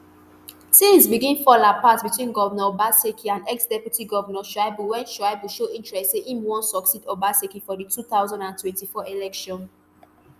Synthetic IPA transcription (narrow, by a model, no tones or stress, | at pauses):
sĩnzbiɡĩnfɔlapatbitwĩnɡɔvɛnɔbasekʰiãndɛksdɛpjutiɡɔvənɔʃaɪbuwɛ̃nʃaɪbuʃoʔĩntɹɛstseʔĩmwɔ̃sɔksidobasekifɔditʰuθaʊzãndãntwɛ̃ntifɔʔelɛkʃɔ̃n